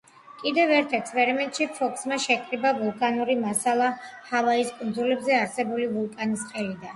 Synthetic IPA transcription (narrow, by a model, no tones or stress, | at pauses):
kʼid̪ɛvɛɾt̪ʰɛkʰspʼɛɾimɛnt̪ʼʃipʰɔkʰʼsmaʃɛkʼɾibavulˠkʼanuɾimasalˠahavaiskʼund̪zulɛbzɛaɾsɛbulivulˠkʼanisqʼɛlid̪an